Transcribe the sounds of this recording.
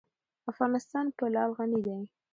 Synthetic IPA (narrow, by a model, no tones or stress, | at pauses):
afɣɑnɪst̪ɑnpəlɑlɣanid̪aj